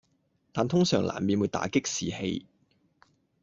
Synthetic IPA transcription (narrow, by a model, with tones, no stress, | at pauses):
t̪aː˨nt̪ʰʊ˥ŋsœː˨˩ŋla̰ː˨˩nmiː˨˧nwu˨˧jt̪a̰ː˨˥kɪ˥k̚siː˨hḛ˧j